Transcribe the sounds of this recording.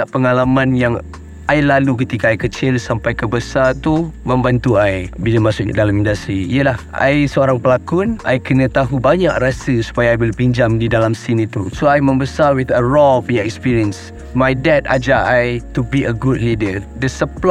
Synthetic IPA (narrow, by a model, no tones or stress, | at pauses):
aʔpəŋalamãnjaŋ | ʔajlaluk̬ət̪ikaajkət͡ʃɪlsampajkəbəsat̪umə̃mbant̪uajbiləmasʊkdalamindast̪ɾiijəlaha̰jsəoɾaŋpəlakʊnʔa̰jkənə̃t̪aɦubaɲaʔrasəsu̥pajaːjbəlupiɲd͡ʒamdidalamsinit̪usoajmə̃mbəsalwiθəɹɔɔfəɛkspiɾiəns | majdɛda̰d͡ʒaʔajtubiʔəɡudlidədəsəpl